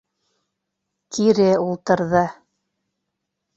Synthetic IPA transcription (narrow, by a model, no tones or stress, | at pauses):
k̪iɾɘulˠt̪ɤ̆ɾðɤ